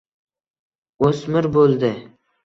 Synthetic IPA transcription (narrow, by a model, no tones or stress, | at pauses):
osmɪɾbolˠd̪ɪ